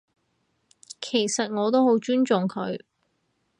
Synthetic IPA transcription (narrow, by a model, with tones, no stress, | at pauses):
kʰe˨˩jsɐ˨t̚ŋɔː˨˧t̪o˥who˨˥wt͡ʃyː˥nt͡ʃʊ˨ŋkʰɵ˨˧ɥ